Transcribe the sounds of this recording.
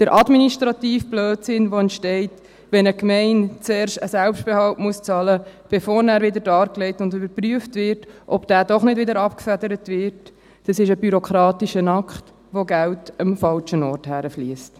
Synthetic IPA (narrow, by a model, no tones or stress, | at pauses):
d̥əɾʔɑdminiʃtɾɑtiːfb̥løːtsɪnʋoɛntʃtɛɪt | ʋɛnəkmɛɪnt͡sɛːɾʃtəsælpʃt̚b̥ɛhɑltmuəst͡sɑləb̥efoːɾnæːɾʋɪdəɾdɑːɾklɛɪtʊndʏbəɾpryəftʋɪɾtʔɔb̥d̥æːdɔχnɪdʋɪdəɾɑpkfædəɾətʋɪɾt | d̥ɑsɪʃəbyɾokχɾɑːtiʃənɑkχt | ʋoɡæltəmfɑlt͡ʃənɔːrthæːɾəfliəst